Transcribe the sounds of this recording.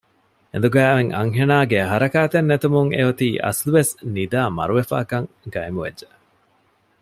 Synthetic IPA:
ḛnd̪uɡæːʋeŋɐ̰ŋɦenaːɡeɦɐɾɐkaːt̪enːet̪umuŋḛɦut̪iːʔɐ̰sluʋesnid̪aːmɐ̰ɾuʋefa̰ːkɐŋ | ɡɐemuʋḛdd͡ʒe

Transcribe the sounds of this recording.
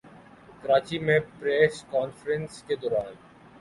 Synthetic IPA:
kəɾaːt͡ʃimẽpɾɛːskaːnfəɾə̃nsked̪ɔːɾaːn

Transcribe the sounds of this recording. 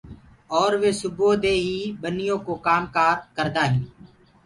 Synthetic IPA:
ɔːɾʋeːsʊboːd̪eːɦiːbənɪjõːkoːkaːmkaːt̪̚kəɾd̪aːɦĩː

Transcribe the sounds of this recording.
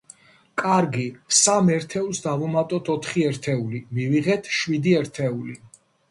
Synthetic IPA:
kʼaɾɡisamɛɾt̪ʰɛulˠsd̪avumat̪ʼɔt̪ʰɔt̪ʰχiɛɾt̪ʰɛulimiviʁɛt̪ʰʃwid̪iɛɾt̪ʰɛuli

